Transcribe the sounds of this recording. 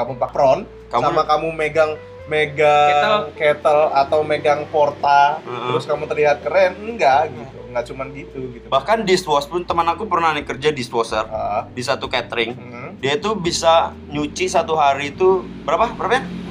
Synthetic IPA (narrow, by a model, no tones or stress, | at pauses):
kamuŋpapɾɔn | kamsamakamumeɡaŋ | meɡaəlket̪əlat̪awmeɡaŋpɔrt̪aət̪əɾʊskamut̪ərliɦat̪̚kəɾɛnəŋɡaʔɡiat̪uŋɡaʔt͡ʃumanɡit̪uɡit̪ubahkandist̪wɔspʊnt̪əmənakupərnahnikərd͡ʒadist̪wɔsərəʔəbis̬at̪ukɛt̪ɾɪŋə | diait̪ubisa | ɲut͡ʃisat̪uɦaɾiːt̪u | bəɾapabəɾapaɲa